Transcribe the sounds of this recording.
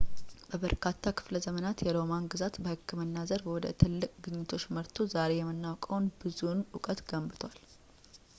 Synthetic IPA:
bəβəɾkʰat̪ʰːakʰɨ̥fləzəmənat̪jɛlo̞manɡɨzat̪bəhɨkʰːɨmɨnːazəɾwɔd̪ə̰t̪ʰɨlːɨkʼɡɨɲːɪt̪ʰo̞t͡ʃːməɾt̪ʰozaɾe̞jɛmːɨnːawkʼəwnbɨzunʔʊkʼət̪ɡəmbɨt̪ʰwal

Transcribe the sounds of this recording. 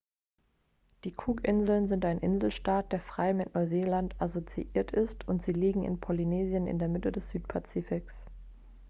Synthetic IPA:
d̥iːkʰuːkʔɪnzl̩nzɪntaɪnʔɪnzl̩ʃtaːt̚d̥eːɐfʁ̥aɪmɪtnɔɪzeːlantʰazot͡sḭʔiːɐtʰɪstʰʊntz̥iːliːɡŋ̩ɪ̰npʰɔlineːzijənɪ̰ndeːɐmɪtədɛsz̥yːt̚pʰat͡siːfɪks

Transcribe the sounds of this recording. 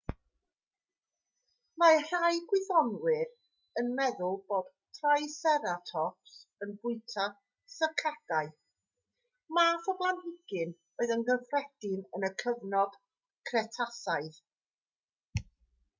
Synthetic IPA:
mar̥ajɡwɪðɔnwɪr | ənmɛðʊlˠboːd̥ | tʰrajsɛɾatʰɔpsənbʊɨtʰa | səkʰaɡ̥aɨ | maːθɔblˠanhɪɡ̥ɨn | oɨðənɡəfrɛd̥ɪnənəkʰəvnɔd̥ | kʰrɛtʰasaɨð

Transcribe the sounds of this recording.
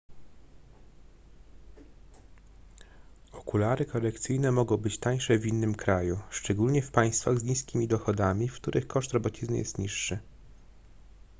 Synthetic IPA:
ɔkulaɾɘkɔɾɛkt̪sɘjnɛmɔɡɔ̃w̃bɘt͡ɕt̪aj̃ʂɛvʲinːɘmkɾajuʂt͡ʂɛɡulɲɛfpaj̃st̪faɣzɲis̬kʲimʲid̪ɔxɔd̪amʲifkt̪uɾʔɘxkɔʂt̪ɾɔbɔt͡ɕiznɘ̰jɛ̰st̪ɲiʂːɘ

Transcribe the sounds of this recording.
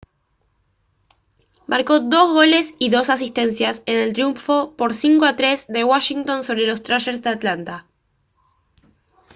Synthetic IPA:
mʔaɾko̞ðo̞zɣo̞le̞siðo̞sas̬ist̪e̞nsjasene̞lt̪ɾjuɱfo̞po̞ɾsiŋko̞at̪ɾe̞zðe̞waʃiŋt̪o̞nso̞βɾe̞lo̞st̪ɾaʃeɾsðeat̪lant̪a

